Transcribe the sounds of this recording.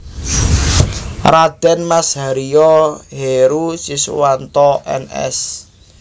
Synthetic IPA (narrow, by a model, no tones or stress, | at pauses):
rad̪̥ɛ̤nmasɦaɾijɔɦeɾusiswant̪ɔʔɛ̰nɛ̰s